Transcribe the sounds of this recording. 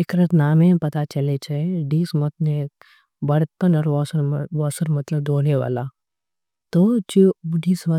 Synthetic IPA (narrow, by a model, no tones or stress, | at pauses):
ekɾɐt̪naːmẽpɐt̪at͡ʃɐlet͡ʃʰɐɖiːsmɐt̪̚ne | bɐɽkɐnɔːɾʋɔsɾʋɔːsəɾmɐt̪ləb̚d̪oːneʋa̰ːlaː | t̪ot͡ʃiɖiːsmɐ